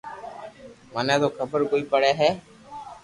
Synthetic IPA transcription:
manɛːd̪oːkʰəbəɾkoːiːpəɽɛːɦɛː

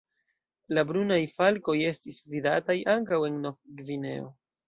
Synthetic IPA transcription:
labɾunajfalko̞je̞stisvidatajʔaŋkawe̞nnovɡvine̞̰o

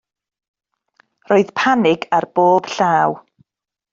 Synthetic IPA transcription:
roːɨð̥pʰanɪɡarb̥oːb̥ɬaːw

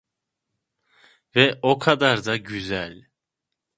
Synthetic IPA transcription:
vɛʔokʰad̪aɾd̪aɟyzælʲ

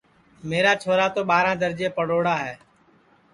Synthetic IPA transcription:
meːɾaːt͡ʃʰoːɾaːt̪oːɓaːɾãːd̪əɾd͡ʒeːpəɽoːɽaːɦɛː

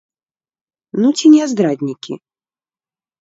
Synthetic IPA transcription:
nut͡sʲinʲɛazd̪ɾadʲnʲikʲḭ

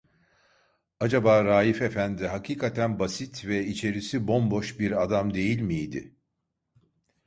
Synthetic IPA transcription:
ad͡ʒabaːɾaːjife̞fænd̪ɪɦakʰiːkʰat̪ʰænbasit̪vɛit͡ʃʰe̞ɾisibo̞mbo̞ʃbiɾad̪amd̪e̞jilʲmijd̪ɪ̰

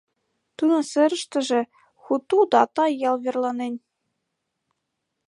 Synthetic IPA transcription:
t̪ɯnɤ̆sɘ̆ɾɘ̆ʃt̪ɘ̆ʒɘ̆ | xut̪ːud̪ɑt̪ɑjɑlˠβʲĕrlˠɑnenʲ

